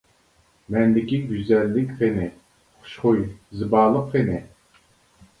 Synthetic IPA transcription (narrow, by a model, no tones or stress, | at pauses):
mɛnd̪ɪkʲiɡʲyzɛlːɪkʲχenɪ | χχʊ̥ʃχʊjzɨbɑːlˠəqχenɪ